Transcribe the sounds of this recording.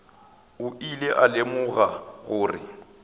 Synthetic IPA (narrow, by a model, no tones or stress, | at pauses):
ʊileʔalɪmʊɣaɣʊːrɪ̰